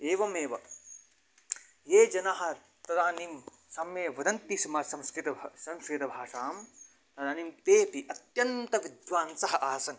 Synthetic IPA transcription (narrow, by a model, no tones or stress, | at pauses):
eːʋɐmeːʋɐ | jeːd͡ʒɐnɐɦɐ̆ | t̪ɐd̪aːnim | sɐmjeːʋɐd̪ɐnt̪isɐmaːsɐ̃mskɾit̪ɐsɐ̃mskɾit̪ɐbʱaːʂaːm | t̪ɐd̪aːnimpeːpiʔɐt̪jɐnt̪ɐʋid̪ʋaːnsɐɦɐʔaːsɐn